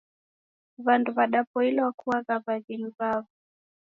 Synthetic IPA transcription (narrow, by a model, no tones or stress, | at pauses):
βanduβaɗapɔilɛwakʰuaɣaβaɣiniβavu